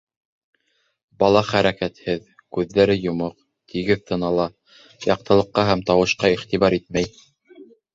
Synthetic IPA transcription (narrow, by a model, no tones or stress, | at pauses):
bɑlˠɑχæɾækæt̪hɘð | kʉðːæɾɘjŏmɤq̚ | t̪ʰiɡɘðt̪ʰɤ̆nɑlˠɑ | jɑq̚t̪ɤ̆lˠɤ̆qːɑɦæmt̪ɑwɤ̆ʃqɑiχt̪iβɑɾit̪̚mæj